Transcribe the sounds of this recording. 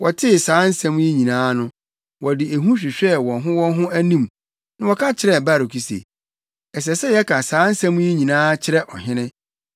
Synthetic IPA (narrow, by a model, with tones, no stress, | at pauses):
wɔ˨tʰɪ˦˨saː˨˦n̩˦sã˦m̃˦jɛ˦ɲĩ˨nãː˦nʊ̃˦ | wɔ˨dɪ˨æ˨ɦũ˦ɕᶣɪ˨ɕᶣɛ˦wɔ̃˨ɦʊ̃˦wɔ̃˦ɦʊ̃˦æ˦nĩ˦m | nʊ̃˦wɔ˨kʰa˦t͡ɕʰɪ˨ɾɛ˨ba˦˨ɾo˨kʰi˨sḛ˨ | ɛ˨s̬ɛ˨sɛ˦jɛ˦kʰã˨saː˨˦n̩˦sã˦m̃˦jɛ˦ɲĩ˨nãː˦t͡ɕʰɪ˦ɾɛ˦ʔɔ̰˨ɦɪ̃˦nɪ̃˦